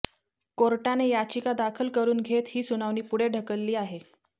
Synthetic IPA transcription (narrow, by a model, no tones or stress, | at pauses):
koɾʈanejat͡ɕikad̪akʰəlkəɾuːnɡʱet̪hiːsunaʋniːpuɽeɖʱəkəlːiːaɦe